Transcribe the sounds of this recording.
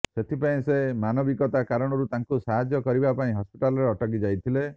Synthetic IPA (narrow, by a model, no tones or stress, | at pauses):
set̪ʰipaĩsemanɔbikɔt̪akaɾɔɽ̃ɔɾut̪aŋkusaɦad͡ʒjɔkɔɾibapaĩɦɔspiʈalɔɾeɔʈɔɡid͡ʒajt̪ʰile